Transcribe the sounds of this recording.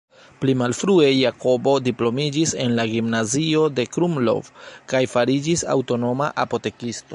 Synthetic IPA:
plimalfɾue̞jakʰo̞bo̞diplo̞mid͡ʒise̞nlaɡimnazio̞de̞kɾumlo̰vkajfaɾid͡ʒisa̰wto̞no̞ma̰ʔapo̞te̞kisto

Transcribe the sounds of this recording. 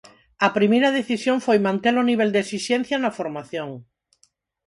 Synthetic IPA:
ɐpɾimejɾaðeθisjoɱfojmãnt̪eloniβ̞eld̪esisẽnθjanafoɾmaθjõŋ

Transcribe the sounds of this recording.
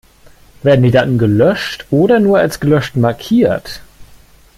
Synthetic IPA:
v̥eːɐdn̩diːdatn̩ɡəlœʃtʔoːɾɐnuːɐalsɡ̥əlœʃtmaɐkʰiːɐt

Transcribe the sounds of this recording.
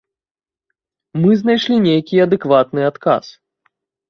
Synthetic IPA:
mɨznajʂlʲinʲejkʲiɐd̪ɨkvat̪nɨat̪ka̰s

